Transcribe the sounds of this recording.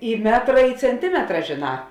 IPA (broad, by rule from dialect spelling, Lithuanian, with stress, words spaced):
ɪ ˈmʲæːtrɐ ɪ t͡sʲɛnʲˈtʲɪmʲɛtrɐ ʒʲeːˈnɑː